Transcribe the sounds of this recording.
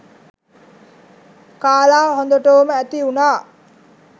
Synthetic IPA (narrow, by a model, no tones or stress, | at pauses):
kaːlaːɦond̪oʈəuməæt̪iunaː